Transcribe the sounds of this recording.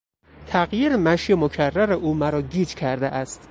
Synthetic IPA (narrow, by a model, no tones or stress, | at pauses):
t̪ʰæɣjiːɾemæʃjemocʰærːæɾeʔuːmæɾɒːɟiːd͡ʒcʲʰæɾd̪eʔæst̪